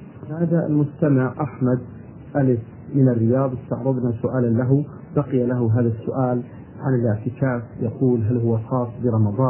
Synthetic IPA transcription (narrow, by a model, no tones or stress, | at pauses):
maːða̰lmʊst̪amɪʕʔaħmad̪ | ʔalɪf | mɪnarːɪjɑːðˤɪst̪ɑʕɾˤɑðˤnasʊʔaːlanlaɦʊ | baqɪjalaɦʊɦaːðasːʊʔaːl | ʕanɪlɪʕt̪ɪkaːfjɑquːlɦalhʊwaxɑːsˤːbiɾˤɑmɑðˤɑː